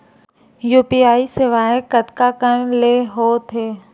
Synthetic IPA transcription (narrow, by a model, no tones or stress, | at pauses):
juːpiaːisɪʋaːẽkət̪kakənleːɦoːt̪ʰeː